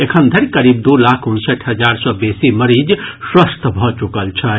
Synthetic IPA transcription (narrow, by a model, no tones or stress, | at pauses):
ekʰənd̪ʱəɾkəɾib̚d̪ulakʰunsəʈʰɦəd͡ʒaɾsɔbesiməɾid͡ʒswəst̪ʰbʱɔt͡ʃukəlt͡ʃʰə